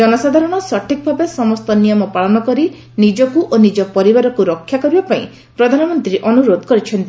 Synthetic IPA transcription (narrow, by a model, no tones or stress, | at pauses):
d͡ʒɔnɔsad̪ʱaɾɔɽ̃ɔsɔʈʰikɔbʱabesɔmɔst̪ɔnijɔmɔpaɭɔnɔkɔɾi | nid͡ʒɔkuʔonid͡ʒɔpɔɾibaɾɔkuɾɔkʰːjakɔɾibapaĩ | pɾɔd̪ʱanɔmɔnt̪ɾiʔɔnuɾod̪ʱɔkɔɾit͡ʃʰɔnt̪i